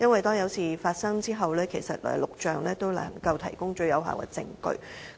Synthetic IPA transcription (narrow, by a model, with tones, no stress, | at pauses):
jɐ˥nwɐ˨jt̪ɔː˥ŋjɐ˨˧˥wsiː˨˩faː˧t̚sɐ˥ŋt͡siː˥ɦɐ˨wlɛː˥kʰe˨˩jsɐ˨t̚lɔ̰ː˨˩˨lʊ˨k̚t͡ʃœː˨ŋlɛː˥t̪o˥wlɐ̰˨˩ŋkɐ˧wt̪ʰɐ˨˩jkʊ˥ŋt͡ʃɵ˧ɥjɐ˨˥wɦa̰ː˨wkɛ̰˧t͡sɪ̰˧ŋkɵ̰˧ɥ